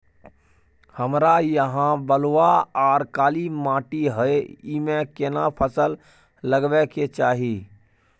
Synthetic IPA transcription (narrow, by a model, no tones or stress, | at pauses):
həmɾajəɦãbəlwaaɾkaːlimaːʈiɦəeimẽkenapʰəsəl | ləɡbɛket͡ʃaːɦi